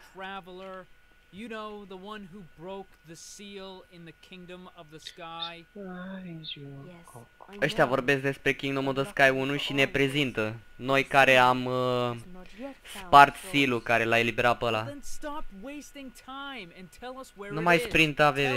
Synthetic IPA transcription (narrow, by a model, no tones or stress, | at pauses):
tʰɹ̥ævl̩ˠə˞ | jɨnoʊðəwʌ̃nɦubɹoʊk̚ðɨsilˠɪ̃nðɨkʰɪ̃ŋdə̃mʌvðəskaɪ | əʃt̪eavo̞rbe̞sk̚d̪e̞spɾe̞kʲiŋɡnomod̪əskajunuʃine̞pɾe̞zint̪əno̞jkaɾe̞am | spart̪silukaɾe̞lae̞libe̞ɾat̪̚pəlastɑpweɪstɪ̃ŋtʰãɪ̃mɨ̃ntʰɛlˠʌswənumajspɾint̪ave